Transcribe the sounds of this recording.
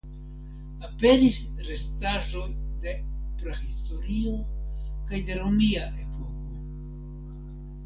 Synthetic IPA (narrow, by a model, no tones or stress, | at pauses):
ape̞ɾisɾe̞staʒo̞jde̞pɾehisto̞ɾio̞kajde̞ɾomiaʔe̞po̞ko